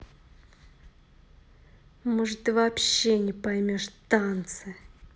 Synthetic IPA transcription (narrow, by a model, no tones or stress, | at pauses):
moʐɨt̪ɨvɐpɕːenʲɪpɐjmʲo̞ʂt̪ant̪sɨ